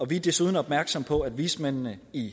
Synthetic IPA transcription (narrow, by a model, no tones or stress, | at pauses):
ɒ̽ʋid̥e̝suːðˠn̩ɒ̽b̥̚mæɐɡ̥sɒ̽mpʰɒ̽æd̥ʋiːsmen̰nəi